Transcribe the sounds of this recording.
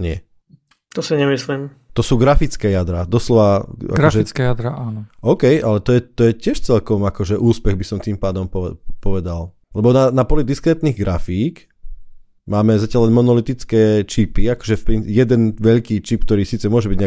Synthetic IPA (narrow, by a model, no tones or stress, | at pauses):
ɲɪɛ | t̪ɔsiɲɛmisliːm | t̪ɔsuːɡɾafit͡skɛːjad̪ɾad̪ɔslɔʋaa̰kɔʒɛkɛjad̪ɾaʔaːnɔɔʊkɛjʔalɛt̪ɔjɛt̪ɔjɛcɪɛʃt͡sɛʎkɔmakɔʒɛʔuːspɛɣbisɔmt̪iːmpaːd̪ɔmpɔɛpɔʋɛd̪al | lɛbɔnanapɔlid̪iskɾɛːt̪niːɣɡɾafiːk | maːmɛzacʲaʎlɛnmɔnɔlit̪it͡skɛːt͡ʃipiakɔ̥ʒɛfpɾinjɛd̪ɛnʋɛʎkiːt͡ʃipkt̪ɔɾiːsiːt͡sɛmʊɔʒɛbiɟɲa